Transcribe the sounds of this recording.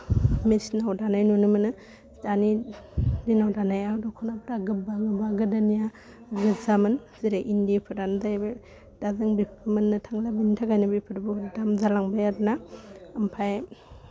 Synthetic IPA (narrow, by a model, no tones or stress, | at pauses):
mesnawdanajnunɯmɯnɯ | dani | dinawdanajadɔkʰɔnapɾaɡɯbaɡɯbaɡɯdanija | ɡɯzamɯnziɾeʔindipʰɯɾanzajbe | d̥azɯŋbipʰɯmɯnːɯtʰaŋlabintʰaɡajnɯbipʰɯɾbudamzalaŋbajaɾnaːmpʰaj